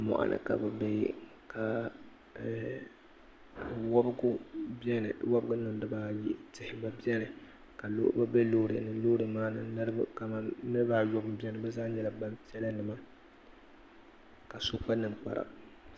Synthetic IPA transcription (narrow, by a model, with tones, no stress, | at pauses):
mɔ̰˨ʔa̰˨nʔɨ̰˨ka̰˨bɛ˨bɛ˦jḭ˦ | kʰa˨ | wɔ˦bɡʊ˦bi˦ɛ˦nɨ̰˨wɔ˦bɨ˦ɡʊ˦nɨ˨mdɨ˨˦ba˦ji˦tɪ˨hɪ˨ba˨bi˦ɛ˦nɨ˨ | ka˨lo̰˦ba˦bɛ˦loː˦ɾḛ˨nɨ˨˦loː˦ɾɨ˨maː˦nɨ̰˨nɨ˦ɾbka˨ma˦nɨ˦ɾbaː˦˨jɔ˦bɨ˦m˦bi˦ɛ˦nɨ˨˦bɛ˦zaː˦ɲɛ˦la˦ba˦mpi˦ɛ˦la˦nɨ˨ma˦ | ka˨so˦k͡pa˦nɨ˨mk͡pa̰˨ɾa̰˨